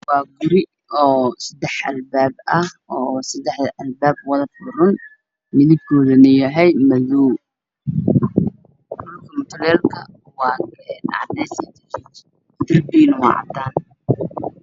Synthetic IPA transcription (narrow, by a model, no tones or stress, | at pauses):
wɑːɡʊɾɪ | ɔːsɐd̪ɛħʔɐ̰lbaːbɐhɔːsɐd̪ɛħðʔɐlbaːbwɑðɐbʊɾʊn | mɪðɪb̚kʰɔːðɐnɐjɐɦɛjmɐðuː | dʊlkʰɐmʊt̪ʰɐlɛːlkʰɐ | wɑːn̰ʕd̪ɛsit̪ʰɪkit͡ʃ | t̪ɪrbiːnwɑ̰ːʕɑ̰t̪ːaːn